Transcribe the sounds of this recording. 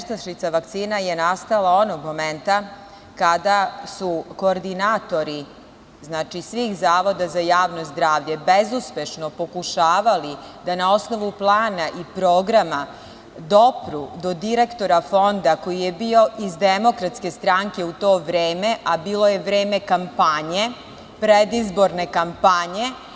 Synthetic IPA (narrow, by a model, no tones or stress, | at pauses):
ʃt̪aʃit̪saʋak̚t̪siːnajenast̪alˠao̞noɡmo̞ment̪a | kad̪asuko̞ːɾd̪inaːt̪o̞ɾi | znaːt͡ʃisʋiːxzaːʋo̞d̪azajaːʋno̞zd̪ɾaːʋʎe̞bezuspe̞ʃno̞po̞kuʃaːʋali | d̪anao̞sno̞ʋuplˠaːnaʔipɾo̞ːɡɾama | d̪o̞pɾud̪o̞d̪iɾe̞kt̪o̞ɾafo̞nd̪ako̞jije̞bio̞ʔizd̪emo̞kɾat̪ske̞st̪ɾaŋke̞ut̪o̞ːʋɾeːme̞ʔabiːlo̞je̞ʋɾeːme̞kampaɲe̞ | pɾed̪izbo̞ɾne̞kampaɲe̞